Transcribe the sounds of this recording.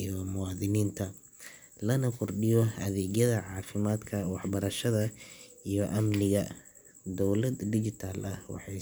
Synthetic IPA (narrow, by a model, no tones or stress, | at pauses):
ijɔmʊwɑːðɪniːnt̪ʰɐ | lɐnɐkʰʊrɖɪjɔɐðɛːɣjɐðɐʕɑːfɪmaːd̪kʰɐwɑħbɐɾɐʃɐðɐ | ijɔʔɐmnɪɣɐ | d̪ɔwlɐd̪dɪt͡ʃɪt̪ʰaːlʔɐhwɑ̰ħɑj